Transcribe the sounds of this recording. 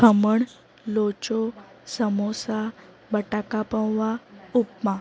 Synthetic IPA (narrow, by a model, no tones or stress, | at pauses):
kʰəməɳ | lot͡ɕo | səmosa | bəʈakapə̃wʋaupma